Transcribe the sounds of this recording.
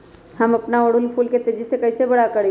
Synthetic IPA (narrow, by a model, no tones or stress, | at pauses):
haməpnaʋəɽulfuːlket̪ed͡ʑisekəjsebəɽakəɽe